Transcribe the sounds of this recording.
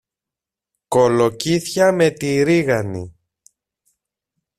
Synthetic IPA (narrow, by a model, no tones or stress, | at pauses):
ko̞lo̞ciθçɐme̞t̪iɾiɣɐnḭ